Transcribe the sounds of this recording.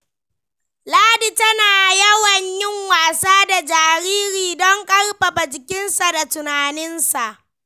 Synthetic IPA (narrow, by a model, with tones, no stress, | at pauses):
laː˦di˨tɐ˦naː˨jɐ˦wɐ˨ɲjɪ˦ŋwaː˨saː˦da˨d͡ʒaː˨ɾiː˦ɾiː˨dɔ˦ŋkʼɐ˦rɸa˨bɐ˨t͡ʃɪ˨kʲɪ˦nsa˨da˨tʊ˨naː˨nɪ˦nsa˨ʔ